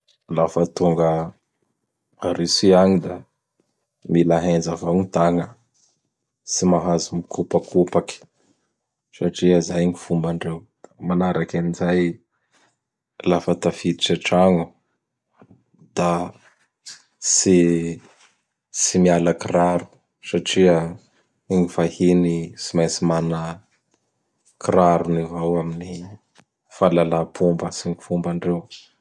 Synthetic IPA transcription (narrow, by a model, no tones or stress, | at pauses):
lafət̪uŋɡə | aɾisiaɲid̪a | milaɦend͡zavawɲit̪aŋə | simaɦazimikupakʰupaki̥ | saʈ͡ʂiazajɲifumbaɳɖ͡ʐew | manaɾakanizaj | lafət̪afid̪iʈ͡ʂaʈ͡ʂaŋu | d̪̥a | si | simialəkiraɾu | saʈ͡ʂiə | ŋifahinisimajsimanə | kiɾaɾunivawamini | falalapʰumbəsiŋifumbaɳɖ͡ʐew